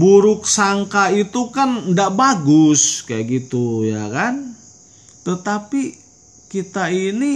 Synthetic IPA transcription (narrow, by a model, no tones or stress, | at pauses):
buɾʊk̚saŋkait̪ukanndaʔbaɡʊskajaɡit̪uja̰kan | t̪ət̪api | kit̪aini